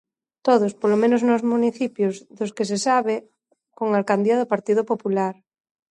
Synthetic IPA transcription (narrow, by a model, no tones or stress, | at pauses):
t̪oðospolomẽnoznozmuniθipjozðoskesesaβe | koŋalkand̪iaðopaɾt̪iðopopulaɾ